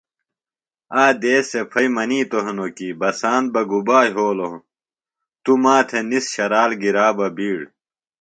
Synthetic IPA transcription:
aːd̪eːsepʰɐjmɐniːt̪oɦnokiːbɐsaːnt̪̚bɐɡubaːjɦoːloũ | t̪umaːt̪ʰenisɕɐɾaːlɡiɾaːbɐbiːɽ

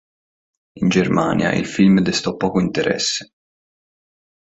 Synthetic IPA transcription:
ind͡ʒerma̰ːnja̰ʔḭlfilmd̪ɛst̪ɔpːɔːkoint̪eɾɛ̰sːe̥

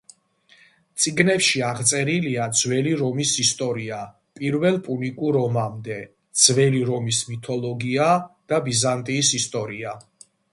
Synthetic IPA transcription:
t̪sʼiɡnɛpʃiaʁt̪sʼɛɾiliad̪zwɛliɾɔmisist̪ʼɔɾia | pʼiɾvɛlˠpʼunikʼuɾɔmamd̪ɛ | d̪z̥vɛliɾɔmismit̪ʰɔlˠɔɡiad̪̥abizant̪ʼiːsist̪ʼɔɾia

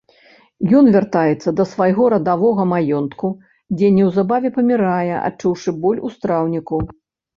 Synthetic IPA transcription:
jɔnvʲart̪ajɛt̪sːɐd̪ɐsvajɣɔɾɐd̪avɔɣɐmajɔnt̪ku | d͡zʲɛnʲɛwzabavʲɛpɐmʲiɾajɛʔa̰t͡ʂuwʂɨbɔlʲust̪ɾawnʲiku

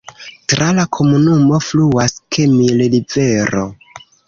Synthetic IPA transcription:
tɾalakʰo̞munumo̞fluaskʰemillive̞ɾo̞̰

